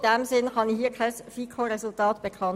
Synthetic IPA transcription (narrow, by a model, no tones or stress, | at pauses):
d̥ɛmzɪnχɑnihiːɐkʰaɪsfiːkʰoʁɛsʊltɑːtb̥ekʰɑn